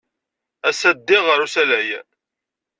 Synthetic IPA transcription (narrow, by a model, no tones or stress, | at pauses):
æsæd̪ːɪʁəɾusælæj